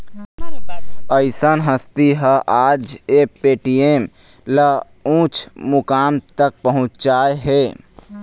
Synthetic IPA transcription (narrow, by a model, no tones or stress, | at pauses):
əɪsənɦəst̪iɦəʔad͡ʒepeʈiem | lə | ũt͡ʃʰmukamt̪ək̚pəɦũt͡ʃt͡ʃaeɦe